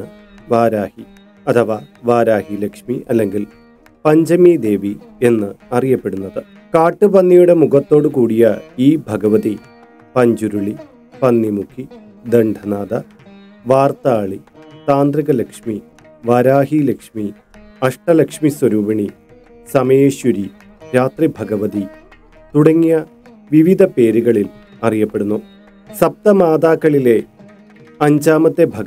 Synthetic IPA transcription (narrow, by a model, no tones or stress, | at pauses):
ɨ | ʋaːɾaːhi | ɐt̪ʰɐʋaːʋaːɾaːhilekʂmiʔɐlːe̞ŋɡil | pɐɲd͡ʑɐmid̪e̞ːʋi | e̞nːɨɐrijɐpːe̞ɽunːɐðɨ | kaːʈːɨpɐnːijuɽe̞muɣɐt̪ːo̞ːɽɨkuːɽijɐiːbʱɐɡɐʋɐði | pɐɲd͡ʑuɾuɭi | pɐnːimukʰːi | d̪eɳɖʱɐnaːd̪ɐ | ʋaːrt̪aːɭit̪aːnd̪riɣɐlɐkʂmi | ʋaːɾaːɦilekʂmi | ɐʂʈɐlɐkʂmiswɐɾuːʋɐɳi | sɐmɐeeːɕuɾi | ɾaːt̪ribʱɐɡɐʋɐði | t̪uɽɐŋːijɐ | ʋiʋid̪ʱɐpe̞ːɾuɣɐɭil | ɐrijɐpːe̞ɽunːu | sɐp̚t̪ɐmaːd̪aːkːɐɭile̞ | ɐɲd͡ʑaːmɐt̪ːebʱɐɡɐ